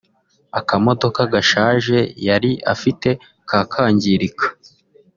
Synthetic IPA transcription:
akamo̞do̞kaɡaʃaːʒe̞jaɾiʔa̰fite̞ | kʰaːkʰaːɲɟiɾikʰḁ

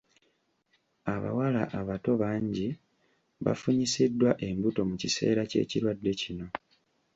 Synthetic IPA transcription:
aβa̰walaʔaβato̞βaːɲɟi | βa̰fuɲisidːwaʔe̞mbuto̞mucise̞̰ːɾace̞̰ːciɾwadːe̞cino̞

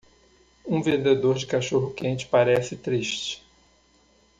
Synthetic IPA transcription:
ũvẽnd̪ed̪oɾd͡ʒɪkaʃoɦʊkẽnt͡ʃɪ̥paɾɛsɪt̪ɾiʃt͡ʃɪ̥

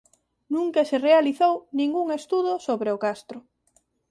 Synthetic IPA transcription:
nũŋkeserealiθownĩŋɡuŋest̪uðʊsoβɾeʊkast̪ɾʊ

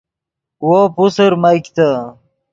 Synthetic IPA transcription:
wopusəɾmajkt̪a

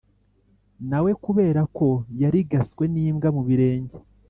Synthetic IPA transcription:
nawe̞kuβe̞ːɾako̞jaɾiɡaskwe̞niːmɡamuβiɾe̞ːɲɟe

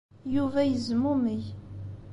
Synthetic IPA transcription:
juvæjəzmuməj

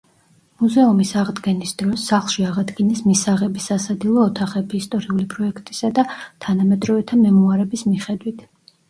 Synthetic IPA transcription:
muzɛumisaʁd̪ɡɛnisd̪̥ɾɔsːaχlˠʃiaʁad̪ɡinɛsmisaʁɛbisasad̪ilˠɔːt̪ʰaχɛbiːst̪ʼɔɾiulipʼɾɔɛkʰt̪ʼi̥sad̪at̪ʰanamɛd̪ɾɔvɛt̪ʰamɛmuaɾɛbismiχɛd̪wit̪ʰ

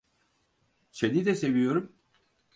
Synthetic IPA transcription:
t͡ʃed̪id̪ɛse̞vijo̞ɾum

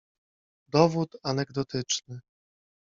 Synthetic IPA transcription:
d̪ɔvut̪anɛɡd̪ɔt̪ɘt͡ʂnɘ

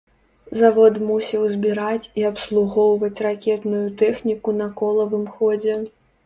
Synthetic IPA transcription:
zavɔt̪musʲiwzʲbʲiɾat͡sʲiɐpslˠuɣɔwvɐt͡sʲrakʲɛt̪nujut̪ɛxnʲikunɐkɔlˠɐvɨmxɔd͡zʲɛ

